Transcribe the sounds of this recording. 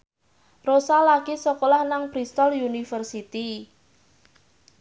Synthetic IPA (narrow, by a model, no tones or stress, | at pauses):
rosalakisɔkolahnaŋpɾist̪ɔljunifərsit̪i